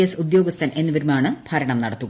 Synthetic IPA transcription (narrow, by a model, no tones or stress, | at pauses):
esud̪jo̞ːɡɐst̪ʰɐnʔe̞nːɨʋiɾmaːɳɨb̥ʱɐɾɐɳɐmnɐɽɐt̪ːuɣɐ